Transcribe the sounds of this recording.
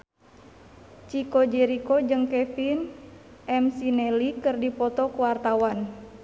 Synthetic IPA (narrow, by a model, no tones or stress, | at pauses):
t͡ʃikɔd͡ʒɛɾikɔd͡ʒɨŋkɛfinʔɛmsinɛlikɨrdipɔt̪ɔkuwart̪awan